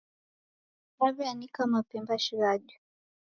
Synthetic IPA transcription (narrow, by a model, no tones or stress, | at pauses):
naβianikamapɛmbaʃiɾaʄu